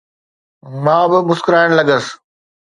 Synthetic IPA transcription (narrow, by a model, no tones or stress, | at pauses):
mãːbɪmʊskɾaːɪɽ̃lɐɡəs